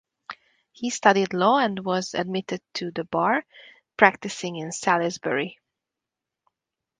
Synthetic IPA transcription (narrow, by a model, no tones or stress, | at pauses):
histʌɾidlɔːɛ̃ndwʌzɨ̰d̚mɪtɨd̚tʰɨðəbɑɹ | pʰɹ̥æk̚tɨsɪ̃ŋɪ̃nsælɪzbɛɹi